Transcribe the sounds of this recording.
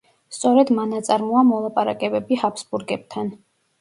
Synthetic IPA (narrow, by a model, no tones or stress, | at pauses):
st̪sʼɔɾɛd̪manat̪sʼaɾmɔamɔlˠapʼaɾa̰kʼɛbɛbihapsbuɾɡɛb̚t̪ʰan